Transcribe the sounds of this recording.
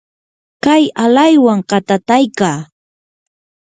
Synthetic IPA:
kajalajwaŋqɑt̪at̪ajkaː

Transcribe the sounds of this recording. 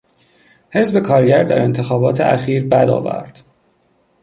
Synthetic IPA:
he̞zbe̞kʰɒːɾɟæɾd̪æ̰ɾe̞nt̪ʰe̞xɒːbɒːt̪ʰḛʔæ̰xiːɾbæd̪ɒ̰ːvæ̰ɾd̪̥

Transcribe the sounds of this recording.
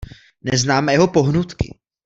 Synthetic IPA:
nɛznaːmɛjɛɦopo̞ɦnut̪kɪ̰

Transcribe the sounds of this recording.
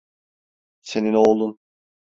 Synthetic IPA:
se̞ninoːlˠun

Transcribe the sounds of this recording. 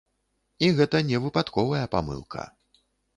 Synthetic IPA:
iɣɛt̪ɐnʲɛvɨpat̪kɔvɐjɐpa̰mɨ̰lˠkʰɐ̰

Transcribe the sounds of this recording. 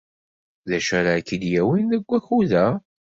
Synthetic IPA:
ðæʃəɾakːəd̪jæwinðəɡʷːæçuðæ

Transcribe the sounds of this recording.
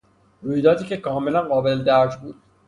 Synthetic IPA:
ɾujd̪ɒːt̪iːkʲekɒːmelænɢɒːbeld̪æːd͡ʒbuːd̪̥

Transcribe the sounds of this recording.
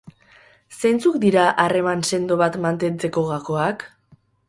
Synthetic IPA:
se̞nt͡sukd̪iɾaʔare̞manse̞nd̪o̞βat̪mant̪e̞nt͡se̞ko̞ɣako̞ak

